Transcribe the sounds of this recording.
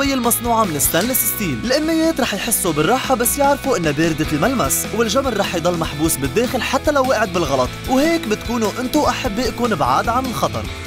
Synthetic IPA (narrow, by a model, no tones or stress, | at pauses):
ɪjːɪlmɑsˤnuːʕamɪnɪst̪anlɪsɪst̪iːllʔɪmːɪjːeːt̪ɾˤɑːħjħɪsːubɪrˤːɑːħabasːjɪʕɾfuʔɪnːbeːɾɪd̪almalmaswɪlʒamɾˤɑːħjd̪ˤɑlːmaħbuːsbɪd̪ːeːxɪlħat̪ːalawːeːʔʕɪd̪̚bɪlɣɑlɑt̪ˤwheːkbɪt̪kuːnuʔɪnt̪uʔaħabːjʔkuːnɪbʕaːd̪ʕanɪlxɑt̪ˤɑ̰ɾˤ